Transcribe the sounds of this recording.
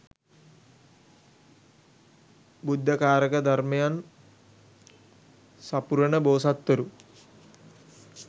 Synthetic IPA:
bud̪ʱːɐkaːɾɐkɐd̪ɐrmɐjaːn | sɐpuɾɐɳəboːsat̪ːɐɾu

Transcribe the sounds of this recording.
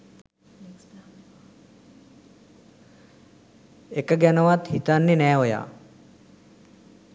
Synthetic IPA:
ekɐɡanɐʋat̪hit̪anːenɛːɦoja̰ː

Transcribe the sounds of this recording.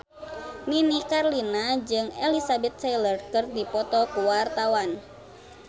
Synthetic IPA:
ninikarlinad͡ʒɨŋɛlisabɛt̪̚sɛjlərkərdipɔt̪ɔkuwart̪awan

